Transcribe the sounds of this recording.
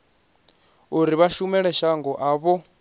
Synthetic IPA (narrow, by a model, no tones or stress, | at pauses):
uɾiβaʃumɛɺɛʃaŋɡɔʔaβɔ